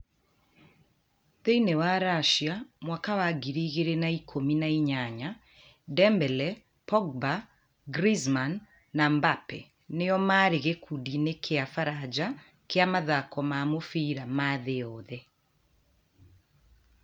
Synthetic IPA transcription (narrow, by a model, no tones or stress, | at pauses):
ðeinewaɾaʃiamwakawaɡiɾiɣeɾenaikʰominaiɲaɲa | dɛmbɛlɛ | pɔɡ̚ba | ɡɾizmanː | ambapɛ̰ | neɔmaɾeɣekʰudinekʰeafaɾad͡ʒa | keamaðakɔmamofiɾamaðeɔðɛ